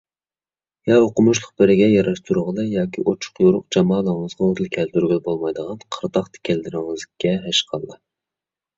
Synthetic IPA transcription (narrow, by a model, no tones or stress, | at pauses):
jɑoqʊmuʃlˠʊq̚bɪɾɪɡʲɛjɑɾɑʃt̪ʰuɾʁəlˠɨjɑːkʲiʔot͡ʃʰʊ̥qjoɾʊqd͡ʒɑmɑːlˠəʁəŋəzʁɑot̪ɨlˠkʲʰɛlt̪yɾɡʲɪlbolˠmɑjd̪əʁɑnqʰəɾt̪ɑχt̪ʰɪ̥kʲʰɛld̪ɪɾɪŋɨzkʲːɛɦɛʃqʰɑlˠːɑ